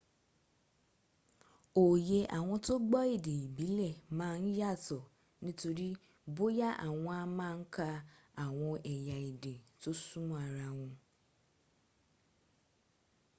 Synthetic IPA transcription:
o˨je˨ʔa̰˨wʊ̃˦tʰʊ˦ɡ͡bɔ˦ɪ˦dɪ˨bi˦lɛ˨mã˨˦n̩˦ja˦tʰʊ˨ | nɪ̃˦tʰo˨ɾi˦ | bo˦ja˦ʔa˨wʊ̃˦a˦mã˦ŋ̩˦kʰa˦a˨wʊ̃˦ʔɛ˨ja˨ɪ˨de˨tʰʊ˦sũ˦m˦a˨ɾa˨wʊ̃˦

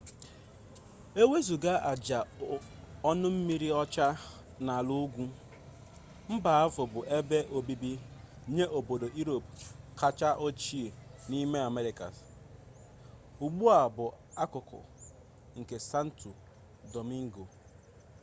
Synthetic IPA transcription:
e˦we˦zu˨ɡa˦ʔa˨d͡ʒa˨ | ɔ˦nʊ˦m̩˦mi˦ɾi˦ɔ˦t͡ʃa˦ | na˨lu˦ɡʷu˦ | m̩˦ba˨a˦vʊ˨bʊ˨ʔe˦be˦ʔo˨bi˦bi˦ | ɲe˦ʔo˨bo˨do˨ʔi˦ɾo˨pka˦t͡ʃa˦ʔo˦t͡ʃi˦e˨ni˦me˦a˨me˦ɾɪ˨ka̰˨s | u˨ɡ͡bu˦a˨bʊ˨a˦kʊ˨kʊ̰˨ | ŋ̩˨ke˨sa˦n̩˦tu˨ | do˨mi˦ŋ̩˦ɡo˨

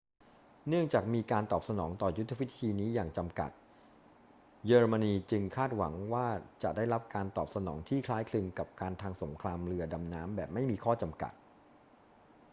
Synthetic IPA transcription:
nɯ˥˩əŋt͡ɕaː˨˩k̚miː˧kaː˧nt̪ɔː˨˩p̚sa˧nɔː˩˦ŋt̪ɔː˨˩ju˦˥t̪ʰːwi˦˥t̪ʰiː˧niː˦˥jaː˨˩ŋt͡ɕa˧mka̰˨˩t̪̚ | jəː˧ɾɤ˧ma˧niː˧t͡ɕɯ˧ŋkʰaː˥˩t̪̚wa̰˩˦ŋwaː˥˩t͡ɕa̰˨˩ʔdaː˥˩jɾa˦˥p̚kaː˧nt̪ɔː˨˩p̚sa˧nɔ̰ː˩˦ŋt̪ʰiː˥˩kʰlaː˦˥jkʰlɯ˧ŋka˨˩p̚kaː˧nt̪ʰaː˧ŋso˩˦mkʰlaː˧mɾɯ˧ɐda˧mnaː˦˥mbɛː˨˩p̚ma˥˩jmiː˧kʰɔː˥˩t͡ɕa˧mka̰˨˩t̪̚

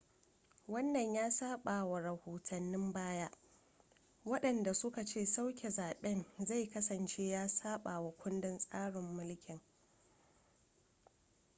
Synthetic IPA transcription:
wɐ˦nːɐ˨ɲjaː˦saː˦ɓaː˨wa˨ɾɐ˨hoː˨tʰɐ˨nːɪ˦mbaː˦ja˦ʔ | wɐ˦ɗɐ˨nda˨sʊ˦ka˨t͡ʃeː˦˨sa˦wkʲe˨zaː˨ɓɛ˦nza˦˨jkɐ˦sɐ˨nt͡ʃeː˦jaː˦saː˦ɓaː˨wa˨kʷʊ˦ndɪ˨nsʼaː˦ɽɪ˨mːʊ˦lkʲʰɪ˨ŋ

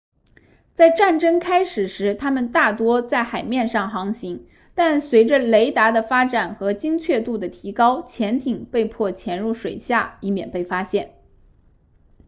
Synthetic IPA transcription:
t͡sa˥˧ɪʈ͡ʂa˥˩nʈ͡ʂɤ˥ŋkʰa˥ɪʂɻ̩˨˩ʂɻ̩˧˥t̪ʰa˥mə˨nt̪a˥˩t̪wɔ˥t͡sa˥˩ɪxa˨˩ɪmjɛ˥˧nʂɑ˥˩ŋxɑ˧˥ŋɕi˧˥ŋ | t̪a˥˩nswe˧˥ɪʈ͡ʂə˧le˧˥ɪt̪a˧˥d̪ə˧fa˥ʈ͡ʂa˨˩nxɤ˧˥t͡ɕi˥ŋt͡ɕʰɥɛ˥˧t̪u˥˩d̪ə˩t̪ʰi˧˥kɑ˥ʊt͡ɕʰjɛ˧˥nt̪ʰi˨˩ŋpe˥˧ɪpʰwɔ˥˩t͡ɕʰjɛ˧˥nɻu˥˩ʂwe˨˩ɪɕja˥˩i˥˩mjɛ˨˩npe˥˩ɪfa˥ɕjɛ˥˩n

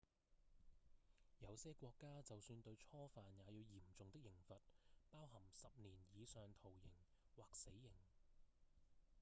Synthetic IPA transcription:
jɐ˨˧wsɛː˥kʷɔː˧kːaː˥t͡sɐ˨wsyː˧nt̪ɵ˧ɥt͡ʃʰɔː˥faː˨njaː˨˧jiː˨˧wjiː˨˩mt͡sʊ˨ŋt̪ɪ˥k̚jɪ˨˩ŋfɐ˨t̚paː˥wɦɐ˨˩msɐ˨p̚niː˨˩njiː˨˧sœː˨ŋt̪ʰo˨˩wjɪ˨˩ŋ | waː˨k̚se˨˥jːɪ˨˩ŋ

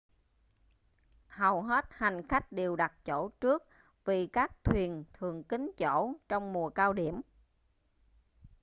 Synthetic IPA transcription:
hə˨˩wɦe˦˥t̚ha˨˩jŋ̟xa˦˥jk̟̚ɗe˨˩əwɗa˨˩t̚t͡ɕo̰˧˩˥t͡ɕɨ˦˥ək̚ | vi˨˩kaː˦˥k̚t̪ʰwi˨˩ənt̪ʰɨ˨˩əŋki˨˦ŋ̟t͡ɕo̰˧˥t͡ɕɔ˧wŋ͡mmu˨˩əkaː˧wɗi˧˩əm

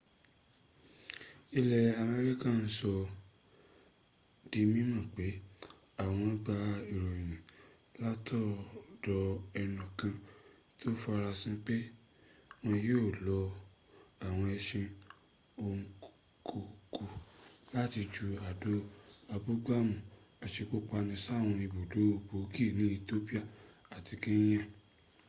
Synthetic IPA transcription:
i˧lɛ˨a˨mɛ˧ɾi˦kã˦˨n̩˦sɔ˧ | di˧mĩ˦mã˦˨k͡pe˨˦ | a˦˨w̃ɔ̃˧˦ɡ͡ba˧i˨ɾo˨jĩ˨nĩ˨ | la˦tʰɔ˦˨dɔ˧ɛ˧nɔ̃˨kã˧ | to˦fa˧ɾa˧sĩ˦k͡pe˦ | w̃ɔ̃˧joː˦˨lɔ˨˦ | a˨w̃ɔ̃˧ɛ˧ʃĩ˧ | o˧ŋ̩˧ | kʰo˨kʰu˧la˦ti˧d͡ʒu˧a˨do˦a˧bu˦ɡ͡ba˦˨mũ˨ | a˨ʃe˧ko˦k͡pa˧nĩ˧sa˦˨w̃ɔ̃˧i˧bo˨do˨˦o˧˨bo˨˦ki˦˨nĩ˦i˧to˦pi˦a˦˨a˨ti˧kĩ˦j̃ɛ̃˦

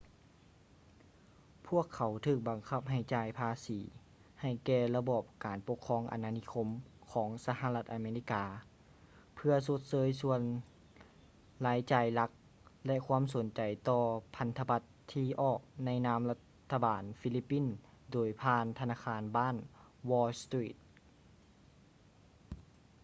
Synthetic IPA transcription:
pʰu˥˩əkʰːa˨˦wt̪ʰɯː˧˩k̚ba˨˩ŋkʰa˧˥p̚ɦa˧˨˩jt͡ɕaː˧˩jpʰaː˧siː˨˦ | ha˧˩jkɛː˧la˧bɔː˧˩p̚kaː˨˩npo˧˥kʰːɔː˧˥ŋʔa̰˨nːaː˧ni˧˥kʰo˧˥mkʰɔː˩˦ŋsa˧ɦa˧la˧t̪ʔa˨˧meː˧li˧˥˩kaː˨˩ | pʰɯ˧ɐso˧˦t̪̚sɤː˧˦jsu˧ən | laː˨˦jt͡ɕaː˨˩jla˧˥k̚ | lɛ˧ʔkʰwuː˧˥˨ms̬o˨˩˦nt͡ɕa˨˩jt̪ɔː˧pʰa˧˦nt̪ʰa˧ba˧t̪ʰːiː˧˩ʔɔː˨˩k̚na˧˥jnaː˧˥mla˧t̪ʰːa˧baː˨˩nfi˧˥li˦pːi˧˥˨n | doː˨˩jpʰaː˧˥nt̪ʰa˧naː˧kʰaː˧˥nbaː˥˨nwɔː˧lst̪ɾiː˧˩t̪̚

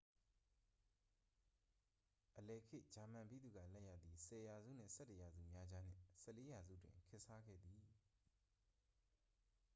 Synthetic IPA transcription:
ʔəlɛ˨kʰɪ˦ʔd͡ʑa˨mã˨mpi˦d̪u˨ɡä̰˦˨lɛ˦ʔja̰˦˨d̪ði˨sɛ˨ja˨zṵ˦˨n̥ɪ̰̃˦˨sɛ˦˨tə˨ja˨zṵ˦˨mja˦d͡ʑa˦n̥ɪ̰̃˦˨sɛ˦ʔle˦ja˨zṵ˦˨dwɪ̰̃˨ŋkʰɪ˦ʔsa˦ɡɛ̰˦˨d̪i˨

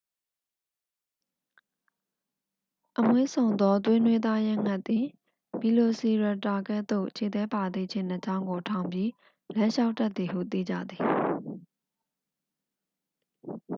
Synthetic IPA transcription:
ʔəmwḛ˦˨sʰõ˨ʊ̃nd̪ɔ˦t̪̬wɪ̃˦nwe˦d̪a˦jɛ̃˦˨ŋ̥a˦˨t̪ːi˨ | bi˨lo˨si˨ɹa˨ta˨kɛ˦t̪o˦˨ʔt͡ɕʰe˨t̪ɛ˦pa˨d̪ḭ˦˨t͡ɕʰɪ̃˨nə˨t͡ɕã˦ʊ̃ŋɡo˨tʰã˨ʊ̃mbji˦ | lã˦ʃa˦ʊtːɛ˦t̪ːi˨ɦṵ˦˨t̪ḭ˦˨d͡ʑä̰˦˨d̪ði˨

